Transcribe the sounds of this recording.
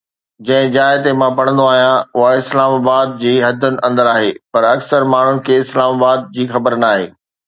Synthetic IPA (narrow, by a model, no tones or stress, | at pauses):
d͡ʑɐ̃ɦɪ̃d͡ʑaːɪt̪emãpɐɽ̤̃ə̃nd̪oaːɦijãʊɦaɪslaːmaːbaːd̪̚d͡ʑiːɦɐd̪ʱʊnɪ̆ʔɐ̃nd̪əɾaːɦeːpɐɾɐksəɾmaːɳ̤ʊnɪ̆kʰeːɪslaːmaːbaːd̪̚d͡ʑiːxɐbəɾnaːɦḛː